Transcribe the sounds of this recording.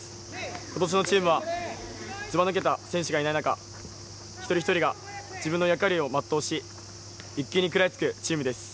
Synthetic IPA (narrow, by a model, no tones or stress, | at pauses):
ko̞t̪o̞ɕ̬ino̞t͡ɕiːmɯ̟βa | t͡sɨmanɯk̬e̞t̪asẽ̞ɰ̃ɕiɡainainaka̰ | çi̥t̪o̞ɾʲiçi̥t̪o̞ɾʲiɡa | d͡ʑibɯ̟̃nːojakaɾʲio̞mat̪ːo̞ːɕi | ikʲːiɲ̟ikɯ̟ɾaet͡sɨ̥kɯ̟t͡ɕiːmɯ̟d̪e̞sɨ̥